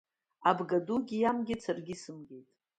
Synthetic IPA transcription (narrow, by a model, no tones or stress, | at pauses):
abɡaduɡʲijamɡʲɪt͡sʰarɡʲisɨmɡʲe̞jtʼ